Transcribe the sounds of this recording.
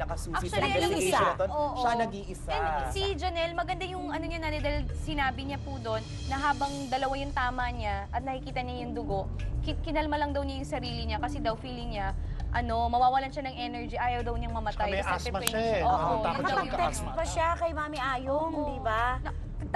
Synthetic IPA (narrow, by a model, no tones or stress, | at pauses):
lɐkɐsɐɐlɐɪaɐooʔʃanɐɡiʔɪsɐsid͡ʒɐnɛlmɐɡɐnd̪ajʊŋʔɐnoɲanaːt̪ɛd̪ɐjlsɪnaːbɪɲapud̪o̞nːɐɦaːbɐŋd̪ɐlɐwajʊŋt̪aːmɐɲaʔɐt̪̚nɐkɪkiːt̪ɐɲajʊŋd̪ʊɡo̞ʔkɪkɪnɐlmɐlɐŋd̪ɐwɲajʊŋsɐɾiːlɪɲakɐsɛd̪ɐwfiːlɪŋɲaʔɐno̞mɐwaːwɐlanʃanɐŋʔɛnɛɹd͡ʒiʔaːjɐwd̪ɐwɲɐŋmɐmɐt̪ajɛɐʔɐspɛɐɛoʔaɐɐɐɛkst̪pɐʃakɐjmaːmɛʔaːjomd̪iba